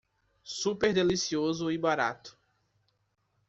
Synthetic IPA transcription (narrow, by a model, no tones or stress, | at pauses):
supeɾd̪elisiozʊibaɾa̰t̪ʊ̥